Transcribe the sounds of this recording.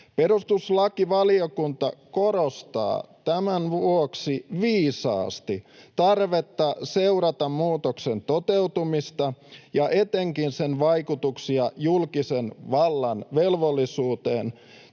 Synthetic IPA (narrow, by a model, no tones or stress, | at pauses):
peɾust̪uslɑkiʋɑliokunt̪ɑkoɾost̪ɑ̰ːt̪æmænʋuoksiʋiːsɑ̰ːst̪it̪ɑrʋet̪ːɑseuɾɑt̪ɑmmuːt̪oksent̪ot̪eut̪umist̪ɑjɑʔet̪eŋkinsenʋɑikut̪uksiɑjulkisenʋɑlːɑnʋelʋolːisuːt̪ḛːn